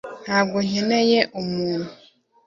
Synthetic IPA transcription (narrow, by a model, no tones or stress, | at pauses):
naɡʷoɲɛnɛjɛʔomũːnu